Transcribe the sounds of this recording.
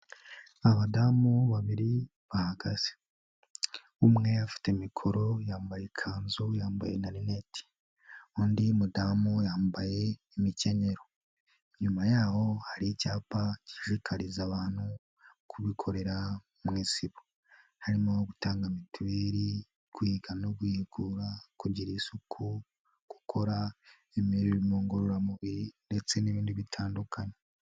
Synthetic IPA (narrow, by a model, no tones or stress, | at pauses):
aβadamuβaβiɾi | βahaɡaz̥e̥ | umŋe̞jafi̥te̞mikʰo̞ɾo̞jaːmbajekʰaːnzujaːmba̰jenaninetʰi̥ | uːndimudamujaːmbaje̞ː | mice̞ɲe̞ɾo̞ | ɲumajaːho̞haɾiicaːpaciʒikʰaɾizaβaːn̥hu | kʰuβikʰo̞ɾe̞ɾa | mŋiːsiβo | haɾimooɡutaːŋɡamituɾeɾi | kwihiɡanoɡwiːhiɡuːɾakuɟiɾiːsukʰu | ɡ̥ukʰo̞ɾa | imiɾiɾimoːŋɡoɾoɾamuβinde̞t͡se̞niβiːndiβitʰaːndukʰaɲe